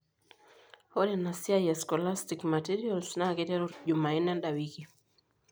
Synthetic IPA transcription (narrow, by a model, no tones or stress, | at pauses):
hɔɗɛnasiajɛskɔlastikmatiɾialsnakɛtɛɾuʄumainɛnɗawiki